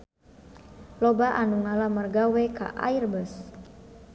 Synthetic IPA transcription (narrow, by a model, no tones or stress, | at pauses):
lɔbaʔanuŋalamərɡawɛka̰ʔa̰irbəs